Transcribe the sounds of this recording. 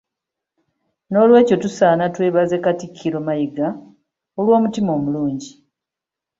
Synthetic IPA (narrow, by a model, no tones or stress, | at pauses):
no̞ːlwe̞ːco̞tusaːnatwe̞ːβaze̞katikʰːiɾo̞majiɡa | olwo̞ːmutimo̞ːmuluːɲɟi